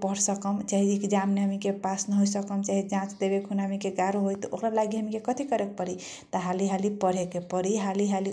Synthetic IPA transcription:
pəɾsəkəmt͡ʃaɦiekd͡ʒamneɦəmikepasnəɦojsəkəmt͡ʃaɦid͡ʒãt͡ʃd̪ebekɦunaɦəmikeɡaɾoɦojt̪ɔʔokɾalaɡiɦəmikekət̪ʰikəɾek̚pəɾi | t̪əɦaliɦalipəɽ̤ekepəɾiɦaliɦali

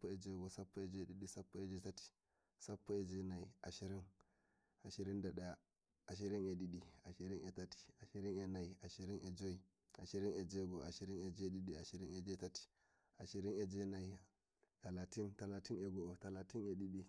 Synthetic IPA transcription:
apːoed͡ʒeɡosapːoed͡ʒoiɗiɗisapːoed͡ʒotatʰi̥ | sapːoed͡ʒonaiʔaʃiɾin | aʃiɾindaɗaa | aʃiɾiŋeɗiɗiaʃiɾinetatʰi̥aʃiɾinenaiaʃiɾinʔed͡ʒoi | aʃiɾined͡ʒeɡoaʃiɾined͡ʒeɗiɗiaʃiɾiŋed͡ʒetati̥ | aʃiɾined͡ʒenai | talatintalatineɡootalatineɗiɗi

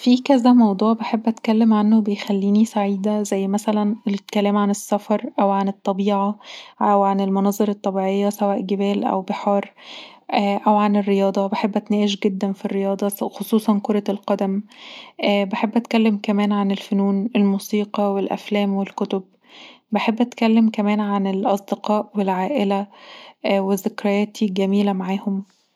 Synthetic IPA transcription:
fikæzæmɑwd̪ˤuːʕbeħebːʔæt̪kælːemʕanːobejxælːiːnisaʕiːd̪æzæjːmæsælænekælæːmʕanesːæfɑɾˤʔæwʕanet̪ˤːɑbiːʕɑæwʕanelmɑnɑːzˤeɾɑt̪ˤːɑbiːʕejːæsæwæːʔɡebæːlʔæ̰wbeħɑːɾˤ | ʔʔæwʕanerːejɑːd̪ˤɑbeħebːʔæt̪næːʔeʃɡed̪ːænfirːejɑːd̪ˤɑxosˤuːsˤɑnkoɾˤɑlqɑd̪æmʔːbeħebːʔæt̪kælːemkæmæːnʕanelfonuːnʔelmuːsiːqɑwelʔæ̰flæːmwelkot̪ob̚ | beħebːʔæt̪kælːemkæmæːnʕanelʔɑsˤd̪eqɑːʔwelʕaːʔelæ | wezekɾɑjæːt̪ʰiɡæmiːlæmaʕaːhom

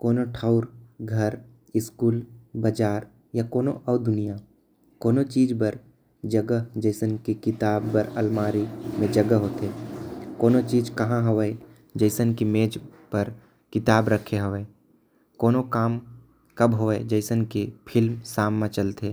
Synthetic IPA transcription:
koːnoʈʰaːʊɾɡʱəɾ | ɪskuːlbəd͡ʒaːɾ | jakoːnoʔɐːd̪ʊnija | koːnot͡ʃiːd͡ʒbəɾ | d͡ʒəɡəd͡ʒəɪsənkikɪt̪aːbːəɾɐlmaːɾimẽd͡ʒɐɡəɦoːt̪eːkoːnot͡ʃiːd͡ʒkɐɦãɦəʋəe | d͡ʒəɪsənkimeːd͡ʒpəɾ | kɪt̪aːbɾəkʰeɦəʋə | koːnokaːm | kɐbɦoːeed͡ʒəɪsənkepʰɪlmsaːmːãt͡ʃəlt̪eː

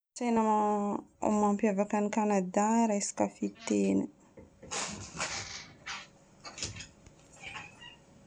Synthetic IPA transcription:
t͡sena̰ | mampjavakanikanad̪aɾajsi̥kafit̪eni

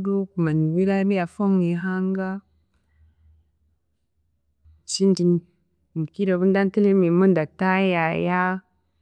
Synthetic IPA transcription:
dukumaniwilabijafoŋniɦaŋɡa | sind͡ʒin | kiɾoβundantilimimundatajaja

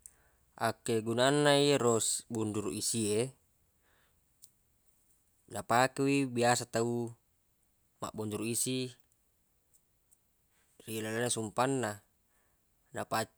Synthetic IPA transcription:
ʔakeɡunanːaiɾosbunduɾuʔisie | napakewibiasat̪au | ma̰ʔbunduɾuisi | rilalanːasumpanːa | napa

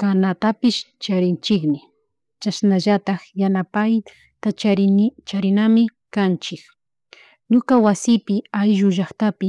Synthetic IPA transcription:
kanat̪apɪʃt͡ʃaɾɪnt͡ʃɪkmɪ | t͡ʃasnaʒat̪ɑχjanapaj | t̪at͡ʃaɾɪt͡ʃaɾɪnamɪkant͡ʃɪk | ɲʊkawasɪpɪajʒʊʒaχt̪apɪ

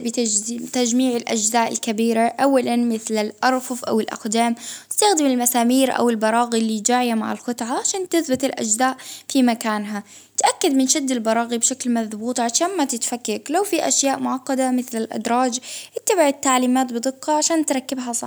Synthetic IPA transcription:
bɪt̪ad͡ʒmiːʕɪlʔa̰d͡ʒzaːʔɪ̰lkabiːɾaʔawːalanmɪθlalʔɑɾˤfʊfʔa̰wɪlʔa̰xd̪aːmt̪ɪ̥st̪axd̪ɪmɪlmasaːmiːɾʔa̰wɪlbɑɾˤɑːɣilid͡ʒaːʕɪjama̰ʕɪ̰lxʊt̪ˤʕaʕaʃaːnt̪ɪθbɪt̪ɪlʔa̰d͡ʒzaːʔfimakaːnɦa | t̪ʔakːad̪mɪnʃɪd̪ːɪlbɑɾˤɑːɣibʃaklmaðbuːt̪ˤʕaʃaːnmat̪ɪt̪fakːaklawfiʔaʃjaːʔmʊʕɑqːɑd̪amɪθlɪlʔa̰d̪ɾˤɑːd͡ʒʔɪt̪ːabɪʕɪt̪ːaʕliːmaːt̪bɨd̪ˤɨqːɑʕaʃaːnt̪ɾˤɑkːɪbɦasˤɑ

